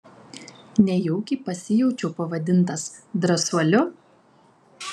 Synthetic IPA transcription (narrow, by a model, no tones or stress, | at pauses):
nʲɛjɔʊkʲiːˑpɐsʲɪjɛʊt͡ʃʲɛʊpɐʋɐd̪ʲɪnˑt̪ɐsd̪ɾɐsuɔlʲʊ